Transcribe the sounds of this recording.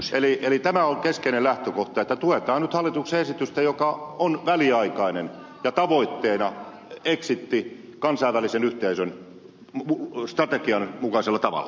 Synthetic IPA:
elielit̪æmæolkeskeinelæht̪økoht̪ɑet̪ːæt̪uet̪ɑːnnyt̪hɑlːˑit̪ukseesit̪yst̪æjokɑonʋæliɑikɑinen | jɑt̪ɑʋoit̪ːeːnɑ | eksit̪ːi | kɑnsɑiʋʋælisenyht̪eisøn | ust̪rɑt̪ekiɑnmukɑselːɑt̪ɑʋɑ̰lːɑ

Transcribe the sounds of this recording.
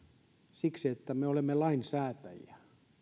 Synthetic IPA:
siksiet̪ːæmeolemːelɑinsæːt̪æ̰jæ

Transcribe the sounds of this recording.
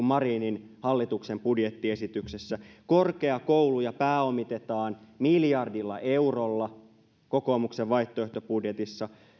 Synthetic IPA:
mmɑriːnin | hɑlːit̪ukse̞mpudjet̪ːie̞sit̪ykse̞sːæko̞rke̞ɑko̞ulujɑpæːo̞mit̪et̪ɑːnmiljɑrdilːɑ̰ʔe̞urolːɑ | ko̞komukseʋʋɑiht̪ːˑoeht̪opudjet̪isːɑ

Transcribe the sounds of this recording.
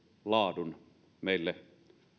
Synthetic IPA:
lɑːdun | meˑilːe

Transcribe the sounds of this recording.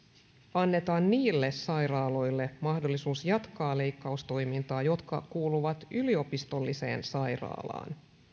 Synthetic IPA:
ɑnːe̞t̪ɑːnːiːlːe̞sɑjɾɑːlo̞jlːe̞mɑhdo̞lːisuːsjɑt̪kɑːle̞jkːɑust̪o̞jmint̪ɑːjo̞t̪kɑ̰kuːluʋɑt̪ylio̞pist̪o̞lːise̞̰ːnsɑjrɑ̰ːlɑ̰ːn

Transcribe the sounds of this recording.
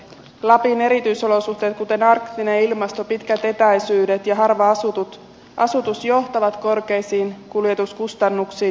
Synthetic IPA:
lɑpine̞ɾit̪yjso̞lo̞suht̪e̞ːt̪̚kut̪e̞nɑrkt̪ine̞ilmɑst̪o̞pit̪kæt̪e̞t̪æjsyːde̞t̪jɑɦɑrʋɑɑsut̪ut̪ | ʔɑsut̪usjo̞ht̪ɑʋɑt̪ko̞rke̞jsiːnkuljet̪uskust̪ɑnːuksiːn

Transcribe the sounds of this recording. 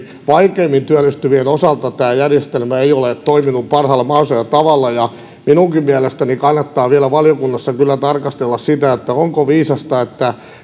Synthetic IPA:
ʋɑikeːmːint̪yælːˑist̪yʋienosɑlt̪ɑt̪æːjærjest̪elmæeijolet̪oiminuppɑrhɑlːɑmɑrsojɑt̪ɑʋɑlːɑjɑ | minuŋkimmiælest̪ænikɑnːɑt̪ːɑːʋiælæʋɑljokunːɑsːɑkylːæt̪ɑrkɑst̪elːɑssit̪æet̪ːæoŋkoʋiːsɑst̪ɑet̪ːæ

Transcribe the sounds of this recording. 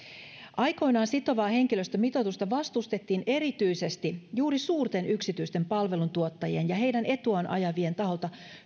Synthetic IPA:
ʔɑjko̞jnɑːnsit̪o̞ʋɑːhe̞ŋk̟iløst̪æmit̪o̞t̪ust̪ɑʋɑst̪ust̪e̞t̪ːiːnʔe̞ɾit̪yjse̞st̪ijuːɾisuːrt̪e̞nʔyksit̪yjst̪e̞mpɑlʋe̞lunt̪uot̪ːɑjienjɑɦe̞jdæne̞t̪uɑnʔɑ̰jɑʋie̞nt̪ɑɦo̞lt̪ɑ

